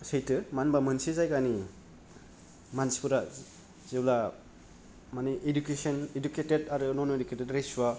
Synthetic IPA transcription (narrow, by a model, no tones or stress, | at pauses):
sejtɯmanbamɯnsizajkani | manspuɾa | z̥ibla | maniʔedukesɔneduketedaɾɯnɔnoeduketedɾeswa